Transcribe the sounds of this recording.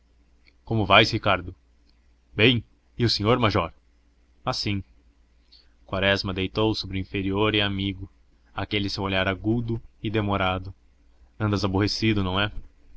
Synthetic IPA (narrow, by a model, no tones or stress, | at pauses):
kõmʊvajshikaɾd̪ʊ | bẽj̃ | ɪʊsẽɲoɾmaʒɔɾ | asĩ | kwaɾɛzmɐd̪ejt̪owsobɾɪĩfeɾioɾɪamiɡʊ | akelɪsewoʎaɾaɡud̪ʊɪd̪emoɾad̪ʊ | ɐ̃nd̪ɐzaboɦesid̪ʊnɐ̃w̃ɛ